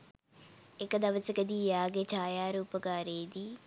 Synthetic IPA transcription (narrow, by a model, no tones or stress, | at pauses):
ekːd̪ɐʋət͡ʃkəd̪iːjaːɡet͡ʃʰaːjaːɾuːpəkaːɾeːd̪iː